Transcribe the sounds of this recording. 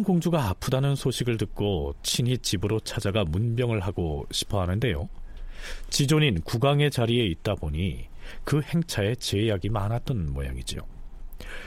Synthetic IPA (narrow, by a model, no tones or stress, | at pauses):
nɡoŋd͡ʑuɡaːpʰɯdanɯnsʰoɕʰiɡɯɭtɯk̚k͈ot͡ɕʰiɲit͡ɕibɯɾot͡ɕʰad͡ʑaɡamunbjʌŋɯɭɦaɡoɕʰi̥pʰʌɦanɯnde̞jo̰ | t͡ɕid͡ʑoɲinkuɡaŋe̞t͡ɕaɾie̞it̚t͈aboɲikɯhe̞ŋt͡ɕʰae̞t͡ɕe̞jaɡimanat̚t͈ʌnmʌja̰ŋid͡ʑo̰